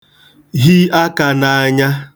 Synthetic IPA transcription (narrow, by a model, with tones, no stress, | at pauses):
ɦi˦a˦ka˨na˨a˦˨ɲa˦